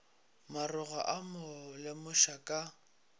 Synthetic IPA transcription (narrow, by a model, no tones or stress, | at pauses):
marʊɣa̰ʔamʊlɪmʊʃakʼa